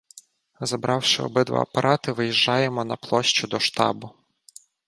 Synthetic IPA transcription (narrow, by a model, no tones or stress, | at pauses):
zɐbɾɑwʃɪɔ̰bɪd̪ʋɐ̰ɐ̰pɐɾʔɑt̪ɪʋɪjiʒːɑjemɔnɐplˠɔʃt͡ʃʊd̪ɔʃt̪ɑ̰bʊ